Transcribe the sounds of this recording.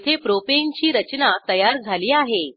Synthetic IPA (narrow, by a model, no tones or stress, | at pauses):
t̪ʰepɾopeɲt͡ɕiːɾət͡ɕnat̪əjaɾd͡zʱaliːaɦe